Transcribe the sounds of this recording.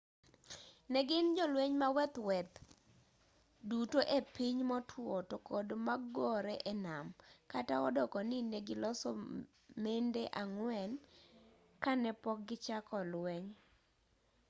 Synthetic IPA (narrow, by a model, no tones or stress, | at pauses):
nɛɡɪnd͡ʒɔlweɲmawɛt̪wɛt̪ | dutoʔepiɲmɔtʰwotokodmaɡɔɾɛʔɛnamkataɔdɔkɔnɪneɡɪlɔsɔ | mendeʔaŋwɛn | kanɛpɔk̚ɡɪt͡ʃakɔlwɛɲ